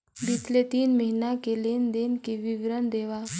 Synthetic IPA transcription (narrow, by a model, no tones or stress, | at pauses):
bit̪let̪iːnməɦinakelend̪enkiʋiʋɾənd̪eʋa